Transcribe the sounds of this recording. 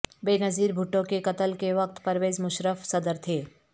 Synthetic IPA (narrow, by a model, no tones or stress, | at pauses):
beːnɐziːɾbʱʊʈːõkekɐt̪əlkeʋɐk̚t̪pɐɾʋeːzmʊʃɾəfsɐd̪əɾt̪ʰeː